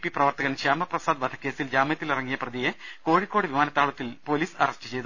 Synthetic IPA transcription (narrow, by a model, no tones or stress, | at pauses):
pːiprɐʋɐrt̪ɐɣɐnɕaːmɐprɐsaːd̪bɐd̪ʰʱɐ̥kːe̞ːsild͡ʑaːmɐjɐt̪ːilirɐŋːijɐprɐðijeko̞ːɻikʲːo̞ːɽɨʋimaːnɐt̪ːaːɭut̪ːilpo̞ːliːsɐrɐstɨ̥t͡ɕe̞jt̪ːu